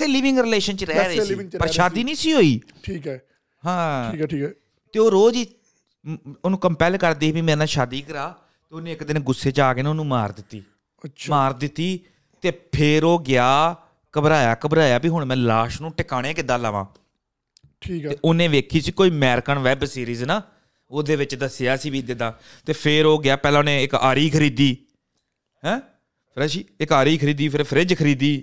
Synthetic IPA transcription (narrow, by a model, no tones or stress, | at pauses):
t̪ʰeːliːʋɪ̃ŋɡɾɪleːʃənt͡ʃəɾɛɾeːpəɾʃaːd̪iːnĩːsiːɦoːiː | ʈʰiːkɛ | ɦãː | t̪eːoːɾoːd͡ʒiː | oːnũːkəmpɛːlkəɾd̪eːbiːmɛ̃ːnãːʃaːd̪iːkəɾaː | t̪eːonẽːɪkd̪ɪnɡʊsːeːt͡ʃaːkeːnoːnũːmaːɾd̪ɪt̪ːiː | maːɾd̪ɪt̪ːiː | t̪eːpʰɪɾoːɡɪaː | kəbɾaːjaːkəbɾaːjaːbiːɦʊɳmɛ̃ːlaːʃnũːʈɪkaːɽ̃eːkɪd̪aːlaːʋã̰ː | ʈʰiːeːʔʊnẽːʋeːkʰiːsiːkoːiːmɛːɾkəɳʋɛːbsiːɾiːznaː | oːd̪eːʋɪt͡ʃd̪əsjaːsiːbiːd̪ɪd̪ãː | t̪eːpʰɪɾoːɡɪjaːpɛːlãːʊnẽːɪkaːɾiːkʰəɾiːd̪iː | ɦɛ̃ː | pʰɾɛːʃiːɪkaːɾiːkʰəɾiːd̪iːpʰɪɾpʰəɾɪd͡ʒkʰəɾiːd̪iː